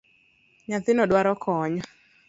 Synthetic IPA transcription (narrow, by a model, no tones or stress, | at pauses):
ɲaθɪnɔɗwaɾɔkʰɔɲɔ